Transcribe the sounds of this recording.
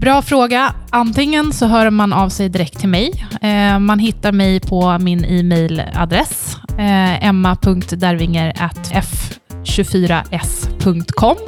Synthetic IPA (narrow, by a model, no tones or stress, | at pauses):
bɾɑːfɾoːɡaant̪ɪŋːənsɔɦœːɾmanavsɛjd̪ɪɾɛk̚t̪ʰːɪlmɛj | manɦɪt̪ːaɾmɛjpʰɔmɪniːmɛjla̰d̪ɾɛs | ɛmːapʰɵŋk̚t̪d̪æɾvɪŋːəɾa̰t̪ɛf | ɕɵfyːɾa̰ʔɛspʰɵŋk̚t̪kʰɔm